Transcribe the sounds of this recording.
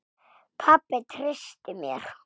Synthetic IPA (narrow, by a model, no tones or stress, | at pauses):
pʰapːɪt̪ʰrɪst̪ɪmjɛ̰ɾ̥